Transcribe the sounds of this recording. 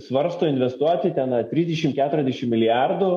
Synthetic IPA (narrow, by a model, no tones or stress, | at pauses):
sʋɐɾst̪oːɪnʲʋʲɛst̪uɔjɛt̪ʲɛnɐt̪ʲɾʲiːzd̪ʲɛʃʲɪmkʲæːt̪ʊɾʲɛzʲd̪ʲɛʃʲɪmmʲɪlʲɪjɑrd̪ʊ